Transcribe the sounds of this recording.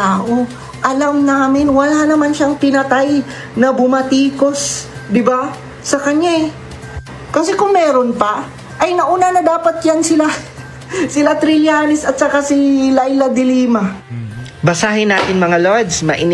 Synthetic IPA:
aːʔo | ʔɐlamnaːmɪnwɐlanɐmanʃaŋpɪnɐt̪aj | nɐbʊmɐt̪iːko̞sd̪ɪbaː | ɐkɐɲaɛ | kɐsɛkʊŋmɛːɾonpɐ | ʔɐjnɐʔuːnanɐd̪aːpɐt̪̚jansɪla | sɪlat̪ɾɪlɪaːnɪsɐt̪̚t͡ʃɐkasɪlajlɐd̪ɪliːmɐ | bɐsaːɦɪnaːt̪ɪnmɐŋalod̪smɐ̰ʔɪn

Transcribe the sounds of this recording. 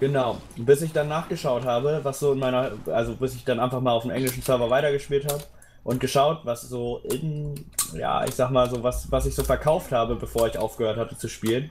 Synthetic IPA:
ɡ̥ənaʊ | b̥ɪsɪçd̥anːaːχɡ̥əʃaʊthaːbəvasz̥oːɪnmaɪnɐʔalzobɪsɪçd̥anʔaɪnfaχmaːlaʊdmʔɛ̰ŋlɪʃn̩sœɐvɐvaɪtɐɡəʃpiːlthaːbə | ʔʊnt̚ɡ̥əʃaʊtvasz̥oːʔɪnja̰ːʔɪ̰çz̥aːɡəmaːlzoːvasvasɪçz̥oːfɛɐkʰaʊfthaːbəbəfoːɐɪçʔaʊfɡ̥əhøːɐthatə̥t͡suʃpiːlən

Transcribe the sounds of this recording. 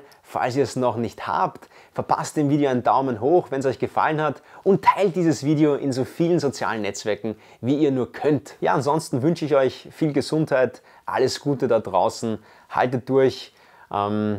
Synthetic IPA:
fa̰lsiːɐɛsnɔχnɪçtha̰ːpt | fɛɐpʰa̰st̚d̥eːmviːɾeoaɪndaʊmənɦoːxvɛns̬ɔʏçɡ̥əfa̰lənhatʔʊntʰːaɪlt̚d̥iːzəsv̥iːdeoʔɪnzoːfiːlənzot͡sja̰ːlənːɛt͡sv̥ɛɐkŋ̩ | viːiːɐnuːɐkʰœntja̰ːanzɔnstn̩vʏnʃəɪçɔʏçfiːlɡəzʊnthaɪt | ʔa̰ləsɡ̥uːtədad̥ʁa̰ʊsn̩ | ha̰ltət̚d̥ʊɐç | ʔɛm

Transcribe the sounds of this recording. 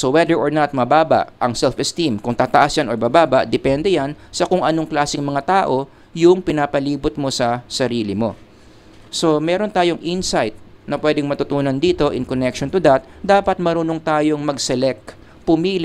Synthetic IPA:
sowɛd̪ɛɹʔoɹnɐt̪̚mɐbaːbɐ̰ʔʔɐŋsɛlfɛst̪imkʊŋt̪aːt̪ɐʔasjanoɹbabaːbɐʔd̪ɛpɛnd̪ɛjansɐkʊŋʔɐno̞ŋklaːsɪŋmɐŋat̪aːʔo̞ | jʊŋpɪnaːpɐliːbʊt̪̚mo̞sɐsɐɾiːlɪmo̞ | so̞mɛːɾo̞nt̪aːjo̞ŋʔinsajt̪̚nɐpwɛːd̪ɪŋmɐt̪ʊt̪uːnɐnd̪iːt̪o̞ʔɪŋkonɛkʃont̪ʊd̪ɐt̪̚d̪aːpɐt̪̚mɐɾuːnoŋt̪aːjo̞ŋmɐɡsɛlɛk̚t̪ | pʊmiːl

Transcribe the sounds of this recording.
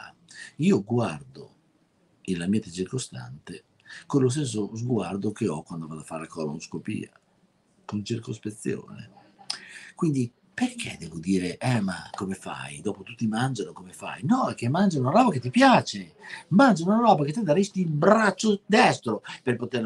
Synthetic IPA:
iːoɡward̪o̰ | inlamiːat̪et͡ʃirkost̪a̰nt̪e | konlos̬t̪es̬ːozɡward̪okeɔkwand̪ovad̪afaɾelakɔːla̰unskopḭːa̰ | kont͡ʃirkospet̪sːjo̰ːnḛ | kwind̪i | perkʰḛd̪ɛːvod̪iːɾeʔɛma̰komefa̰jd̪ɔːpot̪ut̪ːimand͡ʒanokomefa̰jnɔek̟ːemːand͡ʒaunaɾɔːbaket̪ːipjaːt͡ʃemand͡ʒanunaɾɔːbaket̪ːed̪aɾist̪iːlbɾat͡ʃːod̪ɛst̪ɾoperpot̪er

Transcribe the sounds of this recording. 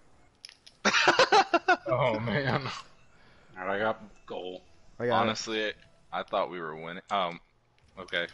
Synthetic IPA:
oʊmæ̃n | haɾaɪɡɑt̚ɡ̥oʊlˠɑnɨstˡli | ʔaɪθɔʔwiwə˞wɪ̃nɪ̃ŋʌ̃m | oʊkʰeɪ

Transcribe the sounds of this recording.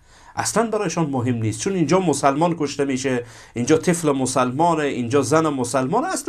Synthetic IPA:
ʔa̰slanbæɾɔːjʃɔnmoɦemniːst̪̚t͡ʃʰunind͡ʒɔːmosalmɔnkoʃt̪emiʃe | ind͡ʒɔːt̪ʰeflemosalmɔːneʔind͡ʒɔːzænemosalmɔːnas

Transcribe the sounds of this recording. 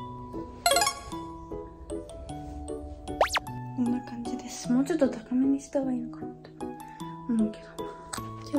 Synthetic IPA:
sõnːakãɲd͡ʑid̪e̞sɨ̥mo̞ːt͡ɕot̪ːot̪akameɲisi̥t̪oβainokanat̪o̥ | omoːked̪oma

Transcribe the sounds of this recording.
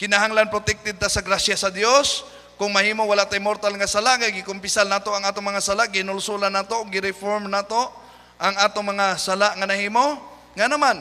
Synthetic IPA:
kɪnaɦaŋlanpɾot̪ɛk̚t̪ɪd̪̚t̪asaɡɾasjasɐd̪jos | kʊŋmɐhiːmowalaʔt̪ajmoɾt̪alŋasalaʔŋaɡɪkʊmpɪsalnaːt̪oʔaŋaːt̪oŋmɐŋasalaʔɡɪɪnʊlsulanːaːt̪oʔʊɡːɪɾɪfoɾmnaːt̪o | ʔaŋaːt̪oŋmɐŋasalaʔŋanahiːmo | ŋanaman

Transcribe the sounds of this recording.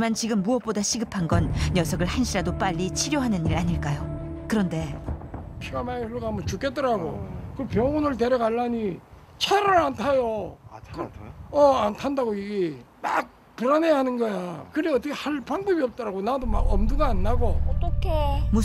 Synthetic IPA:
mant͡ɕiɡɯmːuʌp̚p͈odaɕʰiɡɯpʰanɡʌnjʌsʰʌɡɯɭhanɕʰiɾadop͈aʎːit͡ɕʰiɾjoɦanɯniɾaɲiɭk͈ajokɯɾʌnde̞ | pʰiɡamaisɯɭɡaamʌnt͡ɕuk͈et͈̚ʌɾaɡo̰kɯpjʌŋonɯɭt̬e̞ɾjʌɡaɭːaɲi | t͡ɕʰaɾɯɾantʰajokɯʌantʰandaɡoiɡe | ma̰k̚ | puɾanejaɦanɯnɡʌjakɯɾiʌt͈ʌkʰehaɭpaŋbʌbiʌp̚t͈ʌɾaɡonadoma̰ɡʌmduɡaːnːaɡot͈ʌkʰemu

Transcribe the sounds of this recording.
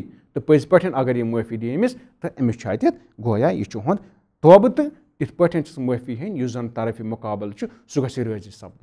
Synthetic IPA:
t̪ɨpəzipɐʈʰɐnʲɐɡɐɾjimufʲiɖiemist̪ɨʔɐmit͡ʃʰa̰ːt̪ʲit̪̚ʰ | ɡoːjaːjḭt͡ʃʰuɦũnd̪ | t̪oɐbɨt̪ɨ | t̪it̪ʰpɐʈʰɐnt͡ʃʰi̥smɐfiɦɐnʲjuzɐnt̪ɐɾɐfimukaːbɨlt͡ʃʰu | suɡɐsiɾəːzisɐb̚d̪

